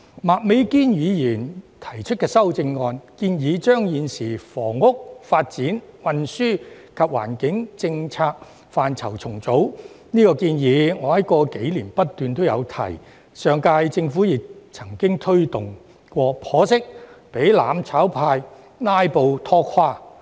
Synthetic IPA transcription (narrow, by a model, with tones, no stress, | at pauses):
maː˨t̚me˨˥jkiː˥njiː˨˧jiː˨˩nt̪ʰɐ˨˩jt͡ʃʰɵ˥t̚kɛː˧sɐ˥wt͡sɪ˧ŋːɔː˧nkiː˧njiː˨˧t͡ʃœː˥ŋjiː˨˧nsiː˨˩fɔː˨˩ŋːʊ˥k̚faː˧t̚t͡siː˨˥nwɐ˧nsyː˥kʰɐ˨p̚wa̰ː˨˩nkɪ˨˥ŋt͡sɪ˧ŋt͡sʰaː˧k̚ | faː˨nt͡sʰɐ˨˩wt͡sʰʊ˨˩ŋt͡so˨˥w | niː˥kɔː˧kiː˧njiː˨˧ŋɔː˨˧jɐ˥t̚kɔː˧ke˨˥jliː˨˩npɐ˥t̚t̪yː˨nt̪o˥wjɐ˨˧wt̪ʰɐ̰˨˩j | sœː˨˧ŋkaː˧jt͡sɪ˧ŋfuː˨˥jɪ˨k̚t͡sʰɐ˨˩ŋkɪ˥ŋt̪ʰɵ˥ɥt̪ʊ˨ŋ | kʷɔː˧pʰɔː˨˥sɪ˥k̚pe˨˥jla̰ː˨˥mt͡sʰaː˨˥wpʰaː˧j | naː˥jpo˨wt̪ʰɔː˧kʰːaː˧˥